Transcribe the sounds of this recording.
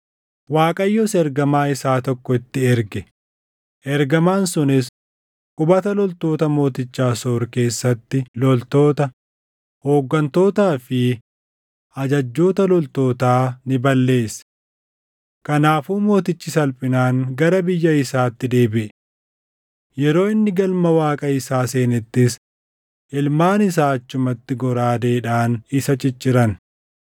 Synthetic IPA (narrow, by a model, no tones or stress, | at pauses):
waːkʼɐjːosɛɾɡɐmaːɪsaːt̪ɔkːɔɪt̪ːɪɛɾɡɛ | ʔɛɾɡɐmaːnsʊnɪs | kʼʊbɐt̪ɐlɔlt̪o̞ːt̪ɐmo̞ːt̪ɪt͡ʃːaːso̞ːɾke̞ːsːɐt̪ːɪlɔlt̪o̞ːt̪ɐ | ho̞ːɡːɐnt̪o̞ːt̪aːfɪ | ʔɐd͡ʒɐd͡ʒːo̞ːt̪ɐlɔlt̪o̞ːt̪aːnɪbɐlːe̞ːs | kɐnaːfuːmo̞ːt̪ɪt͡ʃːɪsɐlpʼɪnaːŋɡɐɾɐbɪjːɐɪsaːt̪ːɪd̪e̞ːbɪʔɛ | jɛɾo̞ːɪnːɪɡɐlmɐwaːkʼɐɪsaːse̞ːnɛt̪ːɪs | ʔɪlmaːnɪs̬aːɐt͡ʃːʊmɐt̪ːɪɡɔɾaːd̪e̞ːᶑaːnɪsɐt͡ʃʼɪt͡ʃːɪɾɐn